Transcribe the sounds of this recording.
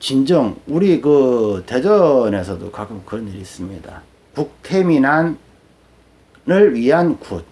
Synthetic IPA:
t͡ɕind͡ʑʌŋuɾikɯte̞d͡ʑʌne̞sʰʌdo̰kakɯmkɯɾʌniɾis͈ɯmɲida̰ | puk̚tʰe̞minan | ɯɭɥiɦankut̚

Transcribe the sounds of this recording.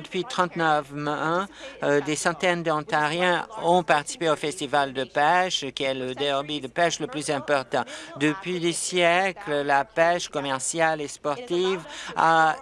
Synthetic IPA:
əpɥit̪χɑ̃t̪nəfmɛ̃d̪esɑ̃t̪ɛnd̪ɑ̃t̪aʁjɛ̃ɔ̃paʁt̪i̥si̥peofɛst̪ivald̪əpɛʃkʲiɛləd̪ɛɔʁbid̪əpɛʃləplyzɛ̃pɔʁt̪ɑ̃d̪əpɥid̪esjɛkləlapɛʃkɔmɛʁsjalespɔʁt̪iva

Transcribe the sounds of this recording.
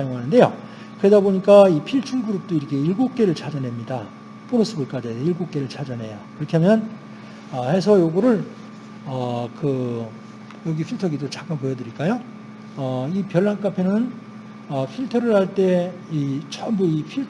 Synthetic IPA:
ajoŋɦanɯnde̞jo̰ | kɯɾe̞daboɲik͈aipʰiɭt͡ɕʰunɡuɾup̚t͈oiɾʌkʰe̞iɭɡop̚k͈e̞ɾɯɭt͡ɕʰad͡ʑʌnɦe̞mɲida | p͈unosʰɯbɯɭk͈ad͡ʑiiɭɡok̚k͈e̞ɾɯɭt͡ɕʰad͡ʑʌnɦe̞̰jokɯɾʌkʰiɦamjʌn | ʌhe̞s̬ʰʌjoɡɯɾɯɭ | ʌkɯ | jʌɡipʰiɭtʰʌɡitot͡ɕak͈anpojʌdɯɾiɭk͈ajo | ʌipjʌɭːank͈apʰe̞nɯn | ʌpʰiɭtʰʌɾɯɭhaɭt͈e̞it͡ɕʰʌmbuipʰi

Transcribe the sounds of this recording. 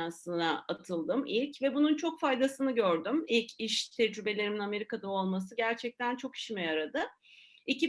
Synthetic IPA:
ansɯnaat̪ʰɯlˠd̪ɯmilʲcvɛbununt͡ʃʰo̞kfajd̪asɯnɯɟøɾd̪ymilʲcʰiʃt̪ʰɛd͡ʒɾybe̞lʲe̞ɾiminame̞ɾikad̪ao̞lˠmasɯɟæɾt͡ʃʰɛc̚t̪ʰænt͡ʃʰo̞kʰi̥ʃimɛjaɾad̪ɯ | ici

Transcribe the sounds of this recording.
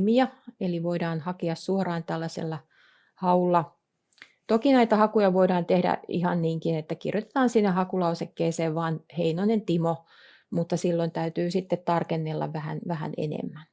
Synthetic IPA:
miɑeliʋoidɑːnhɑkiɑssuorɑːnt̪ælːæsḛlːɑ | hɑulːɑ | t̪okinæit̪ɑhɑkujɑʋoidɑːnt̪ehdæ̰ḭhɑnniːŋkinet̪ːækḭrjot̪e̥t̪ɑːnsinːehɑkulɑosekːeːseːʋʋɑːnheinoinent̪imo | mut̪ːɑsilːoint̪æyt̪yːsit̪ːet̪t̪ɑrkenːelːɑ̰ʋʋæhæ̰nʋæhæ̰nḛnḛmːæn

